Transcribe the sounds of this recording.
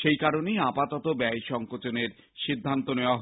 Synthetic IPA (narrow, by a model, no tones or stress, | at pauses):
ʃejkaɾonejapat̪ɔt̪obɛeʃɔŋkot͡ɕoneɾ | ʃid̪ʱːant̪oneoaɦ